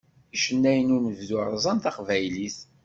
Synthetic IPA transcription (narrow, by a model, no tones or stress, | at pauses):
iʃənːæjənunəvðʊɾˤzˤɑnt̪ɑqvæjliθ